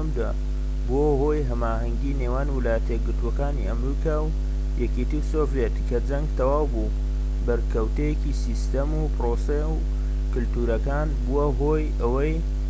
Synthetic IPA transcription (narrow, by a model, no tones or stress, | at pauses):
md̪a | bohoːjɦɐmaːɦɐŋɡiːneːwaːnwɨlaːjət̪ejeɡɨɾt̪uɐkaːnḭʔɐmɾiːkaːw | jɛket̪iwsoːvjet̪kʰɐd͡zɐŋɡt̪ɐwaːwbu | bɐɾkɐwt̪ejekisist̪ɐmupɾoːsew | kɨlt̪uːɾɐkaːnbuwaɦoj | ɐwɐj